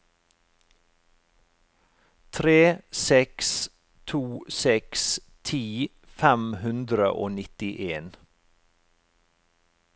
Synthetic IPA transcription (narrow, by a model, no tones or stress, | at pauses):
t̪ʰɾeːsɛks | t̪ʰuːsɛks | t̪ʰiː | fæmhʉnd̪ɾə̰ʔoːnɪt̪ɪʔeːn